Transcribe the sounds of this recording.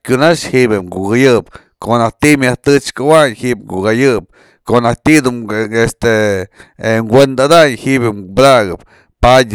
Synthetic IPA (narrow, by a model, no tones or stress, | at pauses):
kʲunaʂhiʔbeŋɡuɡajɨp | koʔnaht̪imjaht̪ɨt͡ʃkawaɲhiʔp̚ŋɡṵɣajɨp̚ | konaht̪id̪uest̪e | ŋɡʷwend̪ad̪aɲhiʔbebɾaɡɨp | padʲ